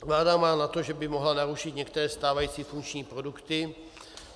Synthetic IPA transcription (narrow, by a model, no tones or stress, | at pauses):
vlaːdamaːnat̪o̞ʒɛbɪmoɦlanaɾuʃɪt̪ɲɛkt̪ɛɾɛːst̪aːvajiːt͡siːfunt͡ʃɲiːpɾo̞dukt̪ɪ